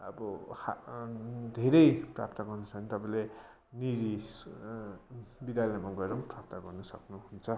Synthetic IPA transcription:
ʌ̰bʌha | d̪ʱeɾʌjpra̰p̚t̪ʌɡʌrnʌsʰʌnit̪ʌpãĩle | nid͡zi | bid̪jalemaɡʌɾʌmprap̚t̪ʌɡʌrnʌsʌ̰knuɦunt͡sʰʌ

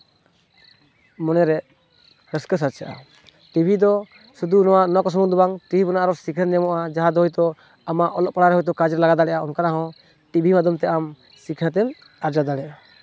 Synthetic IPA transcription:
mɔnɛɾɛ | ɾəskəs̬aɾt͡ʃʰaʔa̰ | ʈibʱid̪ɔ | sud̪unɔwaʔnɔkɔs̬ɔmɔnd̪ɔbaŋʈibʱibɔnaʔaɾɔsikʰəɾɲɛmɔʔad͡ʒaɦad̪ɔɦɔjt̪ɔ | amaʔɔlɔʔpaɽaɾɛɦɔjt̪ɔkad͡ʒɾɛlaɡad̪aɽɛʔaɔnkaɾaɦɔ̃ | ʈibʱimad̪ʱumt̪ɛʔam | sikʰnat̪̬ɛl | aɾd͡ʒad̪aɽɛʔa

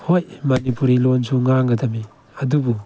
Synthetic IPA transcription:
hojmɐnipuɾilonsuŋaŋɡɐdɐmi | ɐdubu

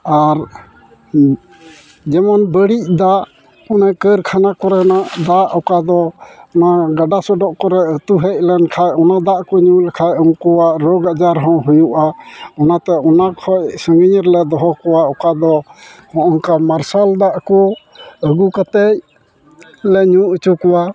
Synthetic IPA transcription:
aɾ | d͡ʒɛmanbəɽic̚d̪aʔ | ɔnakəɾkʰanakɔɾɛnaʔd̪aʔɔkad̪ɔɔnaɡaɖasɔɖɔʔkɔɾɛət̪uɦɛc̚lɛnkʰajɔnad̪aʔkɔɲulɛkʰajɔŋkɔwaʔɾɔɡad͡ʒaɾɦɔ̃ɦujuʔaɔnat̪ɛʔɔnakʰɔcsəŋɡəɲɾlɛd̪ɔɦɔkɔwaɔkad̪ɔhɔ̃ʔɔŋkamaɾsald̪aʔkɔ | əɡukat̪ɛc̚ | lɛɲuʔət͡ʃukɔwa

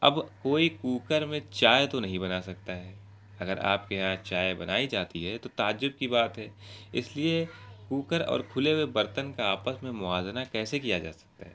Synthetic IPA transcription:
ɐbkoːikuːkəɾmẽt͡ʃaːjt̪onɐɦĩbɐnasɐk̚t̪aɦɛː | ɐɡəɾa̰ːp̚keɦãt͡ʃaːjbɐnaːid͡ʒaːt̪iɦɛt̪ot̪aːd͡ʒʊb̚kibaːt̪ɦɛːɪ̰sliekuːkəɾɔ̰ːɾkʰʊlewebɐɾt̪ənkaaːpəsmẽmʊaːznakɛːsekijad͡ʒa̰ːsɐ̥k̚t̪a̰ɦɛː

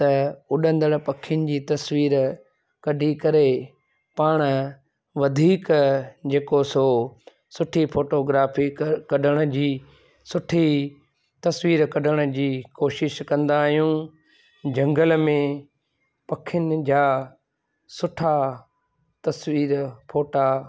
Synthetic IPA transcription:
t̪ɐʊɗə̃nd̪əɽpɐkʰːɪjənɪ̆d͡ʑiːt̪ɐsʋiːɾ | kɐɖʱikɐɾe | paːɽ̃ə | ʋɐd̪ʱiːkd͡ʑeːkoso | sʊʈʰifʰoːʈoːɡɾaːfikɐɗʱəɽ̃ʊ̆d͡ʑiː | sʊʈʰi | t̪ɐsʋiːɾkɐɖəɽ̃ə̆d͡ʑiːkoːʃɪʃkɐ̃nd̪aːɦijũ | d͡ʑɐ̃ŋɡəlmẽ | pɐkʰːɪənɪ̆d͡ʑaː | sʊʈʰa | t̪ɐsʋiːɾpʰoːʈa

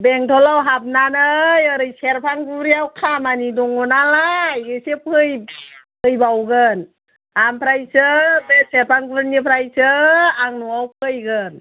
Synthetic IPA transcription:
bɛŋtʰɔlawɦap̚nanɯjəɾɯjseɾpʰaŋɡuɾiawkʰamanidɔŋɔnalajɡɯjsepʰɯjpʰɯjbawɡɯn | ampʰɾajsɯbesɛɾpʰaŋɡuɾnipʰɾajsɯaŋnɔawpʰɯjɡɯn

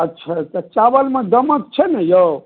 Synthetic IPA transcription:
ətːʃʰat̪ət͡ʃaʋəlmẽd̪əmət̪̚t͡ʃʰɛnɛjə

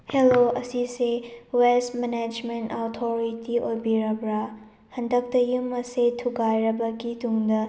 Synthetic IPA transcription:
heloɐsisewelsmened͡ʒmentawtʰoɾitiojbiɾɐbɾa | hɐndɐk̚tɐjumɐsetʰuɡajɾɐbɐɡituŋdɐ

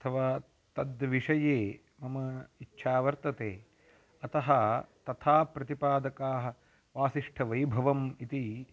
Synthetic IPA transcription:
ɐt̪ʰɐʋaː | t̪ɐd̪ʋiʂɐjeː | mɐmɐitːʃʰaːʋɐɾt̪ɐt̪eː | ɐt̪ɐɦɐt̪ɐt̪ʰaːpɾɐt̪ipaːd̪ɐkaːɦɐ̆ | ʋaːsiʂʈʰɐʋɐjbʱɐʋɐmit̪i

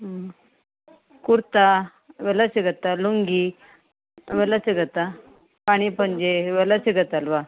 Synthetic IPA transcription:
kuɾt̪a | ʋɛlasiɡət̪ːaluŋɡi | ʋɛlasiɡət̪a | paɽ̃ipəɳd͡ʑeʋɛlasiɡət̪alʋa

